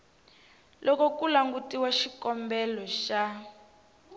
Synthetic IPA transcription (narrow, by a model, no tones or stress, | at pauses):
lʔɔkɔkulaŋɡutiwaʃikɔmbɛlɔʃa